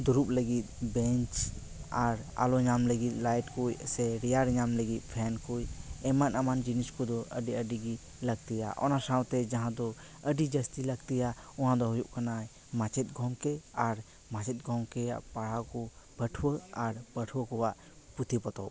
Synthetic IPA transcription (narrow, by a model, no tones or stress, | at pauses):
d̪uɾup̚ləɡit̪̚bɛɲt͡ʃ | aɾa̰lɔɲamləɡit̪̚ˀlajʈkujsɛɾijaɾɲamləɡit̪̚ˀpʰɛnkujɛmanɐmand͡ʒiniskɔd̪ɔʔəɖiəɖiɡi | ləɡt̪ija̰ʔɔ̰nasawt̪ɛd͡ʒãɦãd̪ɔ | əɖid͡ʒəst̪iləɡt̪ijaɔ̃ɦãd̪ɔɦɔjuʔkanaj | mãt͡ʃʰɛt̪̚ˀɡʱɔmkɛaɾ | mãt͡ʃʰit̪̚ɡʱɔŋkɛa̰ʔpaɽ̤akɔb̥əʈʰwəaɾbəʈʰwəkɔwaʔ | put̪ʰipɔt̪ɔ̰w